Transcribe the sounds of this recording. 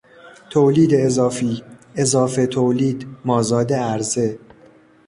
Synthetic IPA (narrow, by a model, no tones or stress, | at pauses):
t̪ʰoːliːd̪eːzɒːfiːezɒːfe̞t̪ʰoːliːd̪mɒːzɒːd̪e̞æɾze̞